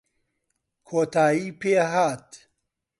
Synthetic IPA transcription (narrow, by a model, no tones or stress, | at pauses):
kʰoːt̪aːjiːpeːɦaːt̪